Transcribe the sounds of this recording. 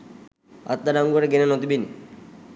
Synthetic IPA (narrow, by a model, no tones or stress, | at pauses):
a̰t̪ːaɾaŋɡoɾeɡenenɔt̪ibini